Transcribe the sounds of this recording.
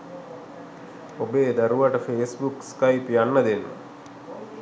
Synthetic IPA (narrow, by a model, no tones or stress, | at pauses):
obeːd̪aɾuʋaʈəfeːsbukskajpjanːəd̪enːə̰